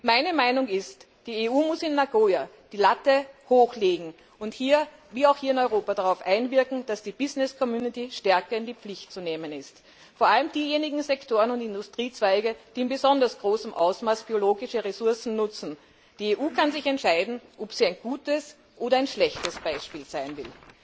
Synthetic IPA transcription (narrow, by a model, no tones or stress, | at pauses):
maɪnəmaɪnʊŋɪst | d̥iːeuːmʊsɪnːaɡoːa | d̥iːlatəhoːxleːɡŋ̩ | ʊnthiːɐ | viːaʊxhiːɐɪnɔʏʁoːpadaʁaʊfʔaɪnvɪɐkŋ̩d̥asd̥iːb̥ɪznɪskʰɔmjuːnɪtiʃtɛɐkɐɪndiːp͡flɪçtt͡suneːmənɪst | foɐʔaləmd̥iːjeːnɪɡŋ̩zɛktʰoːʁənʊntɪndʊstʁ̥iːt͡sv̥æɪɡəd̥iːɪnbezɔndɐsɡ̥ʁoːsəmʔa̰ʊsmaːsb̥ioloːɡɪʃəʁesʊɐsn̩nʊt͡sn̩ | d̥iːeːʔuːkʰanzɪçɛntʃaɪdn̩ʔɔpz̥iːæɪnɡ̥uːtəs | ʔoːɾɐaɪnʃlɛçtəsb̥aɪʃpiːlz̥aɪnvɪ̰l